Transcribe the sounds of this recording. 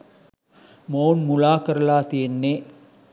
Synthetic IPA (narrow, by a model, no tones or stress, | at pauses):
moːnmʊlaːkɐɾɐlaːt̪ienːe